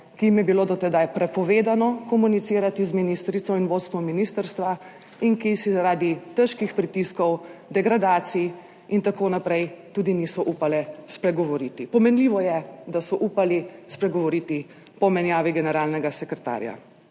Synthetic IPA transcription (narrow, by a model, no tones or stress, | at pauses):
kijimjɛbiloːd̪ɔt̪ɛd̪ajpɾɛpɔʋeːd̪anɔkɔmunit̪siːɾat̪izminist̪ɾit̪sɔinʋot̪st̪ʋɔmːiniːst̪əɾst̪ʋa | inkisizaɾaːd̪it̪əʃkixpɾit̪iskɔwd̪ɛɡɾad̪aːt̪si | int̪akoːnapɾɛjt̪uːd̪inisɔʔupalɛspɾɛɡɔʋɔɾiːt̪ipɔmɛnliʋɔjɛd̪asɔʔuːpalispɾɛɡɔʋɔɾit̪i | pɔmɛnjaːʋiɡɛnɛɾaːlnɛɡasɛkɾɛt̪a̰ɾja̰